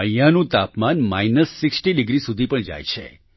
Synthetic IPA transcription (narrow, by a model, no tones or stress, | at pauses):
əjanũt̪apmanma̰jnəsːɪksʈiɖɪɡɾisud̪ʱipəɳd͡ʒa̰jt͡ʃʰḛ